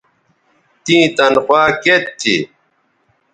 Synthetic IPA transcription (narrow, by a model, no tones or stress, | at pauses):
t̪ĩːt̪ɐnxwaːket̪ʰːḭ